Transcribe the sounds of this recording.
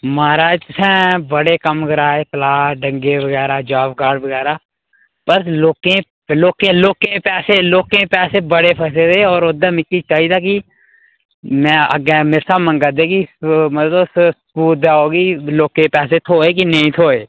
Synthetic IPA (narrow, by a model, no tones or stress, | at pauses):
maːɾaːd͡ʒsʰɛ̃ːbəɽeːkəmɡəɾaːeːkəlaːɖə̃ŋɡeːʋəɡɛːɾaːd͡ʒaːpɡaːɖbəɡɛːɾaː | pəɾloːkẽ | loːkẽːloːkẽːpɛːseːloːkẽːpɛːseːbəɽeːpʰəːs̬et̪eɔːɾoːd̪aːmɪkːit͡ʃaːid̪aːk̬i | mɛ̃ːə̰ɡɛ̃ːmɪɾsaːmə̃ŋɡəd̪eːkimət̪əsskuːd̪aːɦoːɡiːloːkẽːpɛːset̪ʰoːeːk̬inəĩːt̪ʰoːeː